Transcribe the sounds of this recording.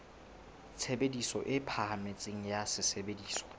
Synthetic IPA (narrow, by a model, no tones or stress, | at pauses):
t͡sʰebedisɔʔɪpʰaɦamet͡sʼɪŋ̩jasɪsebediːsɔ̥